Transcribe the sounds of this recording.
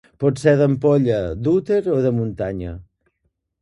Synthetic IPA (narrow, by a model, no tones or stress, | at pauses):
pɔt̪sɛðəmpɔʎəd̪ut̪eɾoðəmunt̪aɲə̰